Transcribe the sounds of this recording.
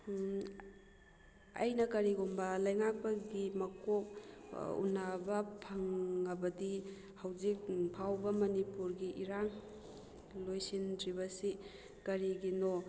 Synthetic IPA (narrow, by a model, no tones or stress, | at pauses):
ɐ̰jnɐkɐɾiɡumbɐlɐjŋak̚pɐɡimɐkok̚ṵnɐbɐpʰɐŋːɐbɐdi | hɐwzik̚pʰawbɐmɐnipuɾɡiʔiɾaŋ | lojsintɾibɐsi | kɐɾiɡino